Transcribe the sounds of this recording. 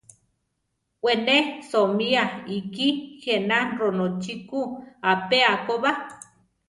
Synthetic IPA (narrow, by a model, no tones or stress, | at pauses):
ʔwenesomiaikixenaɾonot͡ʃikuapeakoβa